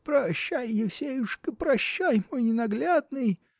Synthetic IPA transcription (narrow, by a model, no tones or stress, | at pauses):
pɾɐɕːæjjɪfsʲejuʂkɨpɾɐɕːæjmojnʲɪnɐɡlʲad̪nɨj